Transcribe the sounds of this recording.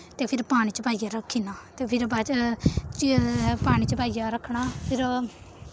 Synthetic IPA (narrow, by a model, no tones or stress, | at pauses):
t̪eːpʰɪɾpaːɽ̃iːt͡ʃəpaːijaːɾəkʰːiːnaːt̪eːpʰɪɾbat͡ʃt͡ʃpaːɽ̃iːt͡ʃəpaːijaːɾəkʰɳaːpʰɪɾ